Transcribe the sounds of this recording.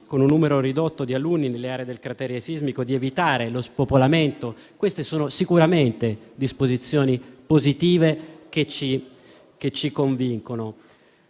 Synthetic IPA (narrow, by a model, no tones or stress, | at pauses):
konunːuːmeɾoɾid̪ot̪ːod̪ialunːinelːeaːɾed̪elkɾat̪ɛːɾeesizmikod̪ievit̪aːɾelospopolament̪o | kwest̪esoːnosikuɾament̪ed̪ispozit̪sːjoːnipozit̪iːveket͡ʃːi | ket͡ʃːikoɱviŋkono